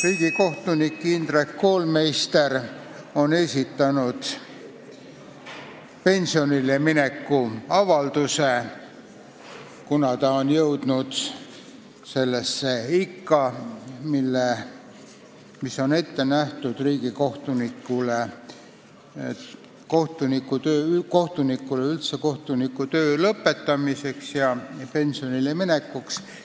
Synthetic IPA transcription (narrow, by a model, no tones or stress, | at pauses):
riːɡ̥iko̞ht̪unikːˑind̪̥rekːo̞ːlme̞jst̪e̞ɾ | o̞ne̞sʲit̪ːˑɑnud̪̥ | pe̞nʲsio̞nilemine̞kːuɑvɑld̪̥use̞ | kunɑt̪ɑonjɤwd̪̥nud̪̥ | se̞lːesːeikːɑmilːe | misːo̞ne̞t̪ːe̞næht̪ud̪̥riːɡ̥iko̞ht̪unikːˑule | ko̞ht̪unikːut̪øːyko̞ht̪unikːˑuleylt̪se̞ko̞ht̪unikːut̪ø̞ːlɤpːe̞t̪ːɑmise̞ksjɑpe̞nsio̞nilemine̞kːuks